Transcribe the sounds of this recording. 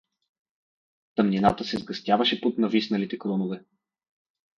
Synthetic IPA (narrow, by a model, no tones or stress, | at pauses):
t̪ɐmninat̪əsɛzɡɐst̪ʲjavɐʃɛpot̪nɐvisnɐlit̪ɛkɾɔnovɛ